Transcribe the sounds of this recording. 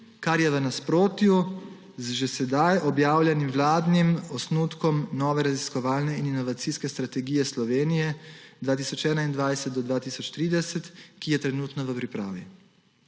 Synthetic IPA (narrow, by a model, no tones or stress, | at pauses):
kaɾjɛʋənaspɾoːt̪ju | zʒesɛd̪ajʔɔbjaːwlʲjɛnimʋlaːd̪nimɔsnut̪kɔmnɔːʋɛɾaziskɔʋaːlnɛininɔʋat̪siːskɛst̪ɾat̪ɛɡiːjɛslɔʋeːnijɛd̪ʋaːt̪iːsɔt͡ʃɛːnaind̪ʋajsɛt̪̚d̪ɔd̪ʋaːt̪iːsɔt͡ʃt̪ɾiːd̪ɛsɛt̪kijɛt̪ɾɛnuːt̪nɔʋəpɾipɾa̰ːʋi